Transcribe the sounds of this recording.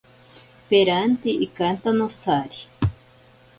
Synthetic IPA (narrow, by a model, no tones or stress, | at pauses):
peɾant̪iʔikant̪anosaɾi̥